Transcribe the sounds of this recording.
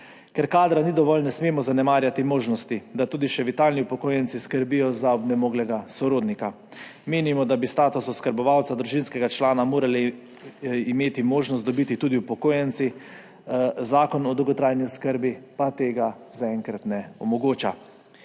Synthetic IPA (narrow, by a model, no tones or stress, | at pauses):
kɛɾkaːd̪ɾanid̪ɔʋɔlnɛsmeːmɔzanɛmaːɾjat̪imoːʒnɔst̪id̪at̪uːd̪iʃɛʋit̪aːlniupɔkoːjɛnt̪siskəɾbijɔzaɔbnɛmoːɡlɛɡasɔɾoːd̪nika | meːnimɔd̪abist̪aːt̪usɔskəɾbɔʋawt̪sad̪ɾuʒinskɛɡat͡ʃlaːnamoːɾalɛ | imeːt̪imoːʒnɔst̪ɔbit̪it̪uːd̪iupɔkoːjɛnt̪si | zaːkɔnɔd̪ɔwɡɔt̪ɾaːjniɔskəɾbipat̪eːɡa | zaɛŋkɾat̪nɛɔmɔɡoːt͡ʃa